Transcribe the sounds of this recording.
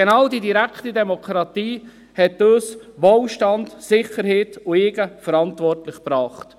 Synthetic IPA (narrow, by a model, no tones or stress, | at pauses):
enɑːwdidiɾækχtidɛmɔkχɾɑtiː | hɛtːøːsʋoːlʃtɑndsɪχəɾheːtʊɪːɡəfəɾɑntʋɔrtlɪχpɾɑːχt